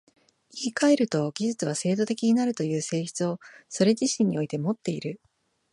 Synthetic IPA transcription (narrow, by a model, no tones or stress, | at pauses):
iɡʲikae̞ɾɯ̟t̪o̞ɡʲiʑɨt͡sɨβ̞ase̞ːd̪o̞t̪e̞kʲiɲ̟inaɾɯ̟t̪o̞jɯ̟ːse̞ːçi̥t͡sɨo̞so̞ɾe̞ʑiɕĩɲ̟ːio̞it̪e̞mo̞t̪ːe̞iɾɯ